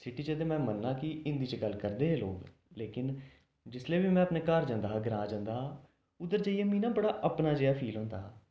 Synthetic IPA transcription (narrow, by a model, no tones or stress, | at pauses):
sɪʈiːt͡ʃət̪̬eːmɛ̃ːmənːãːkɪɪnd̪iːt͡ʃəɡəlːkəɾd̪eːeːloːɡ | leːkɪn | d͡ʒɪsleːʋiːmɛ̃ːəpneːkəɾd͡ʒãːnd̪aːɦːɡəɾãːd͡ʒãːnd̪aːɦ | ʊd̪əɾd͡ʒaːiːeːmĩːnaːbəɽaːʔəpnaːd͡ʒeːaːpʰiːlɦʊ̃ːnd̪a̰ːɦaː